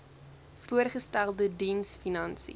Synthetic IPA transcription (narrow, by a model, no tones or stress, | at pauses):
fuərχəstælˠdədinsfinɐnsḭ